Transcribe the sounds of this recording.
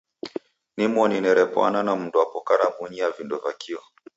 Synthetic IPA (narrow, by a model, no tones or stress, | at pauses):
nimɔninɛɾɛpwa̰nanam̩nduapɔkaɾaɓuɲiavindɔvakʰiɔ